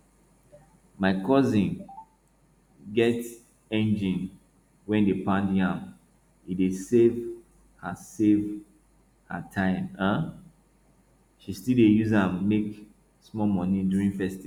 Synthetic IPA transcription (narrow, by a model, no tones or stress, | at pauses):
maɪkɔzĩn | ɡɛt | ɛ̃nd͡ʒĩn | wɛ̃ndepãndãm | idesev | hasev | hatʰãɪ̃mã | ʃistildejuzãmːek | smɔmɔniduɹĩnfɛstiv